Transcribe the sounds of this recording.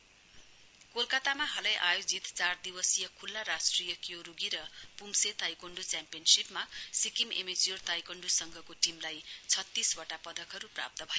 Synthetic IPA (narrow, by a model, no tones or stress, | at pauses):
kolkʌt̪amaɦʌlʌjʔajod͡zit̪t͡sard̪iwʌsijʌkʰulːaɾasʈrijʌkjoɾuɡiɾʌpumset̪ajkoɳɖut͡sampijʌnsipmasikimemed͡zijort̪ajkoɳɖusʌŋɡʱʌkoʈimlajt͡sʰʌt̪ːiswʌʈapʌd̪ʌkɦʌɾupra̰p̚t̪ʌbʱʌjo